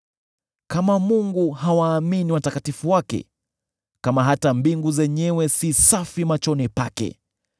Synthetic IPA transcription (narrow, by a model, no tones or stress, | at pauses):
kamamuŋɡuɦawaːminiwatakatifuwakɛ̰ | kamaɦatambiŋɡuzɛɲɛwɛsisafimat͡ʃɔnipakɛ̰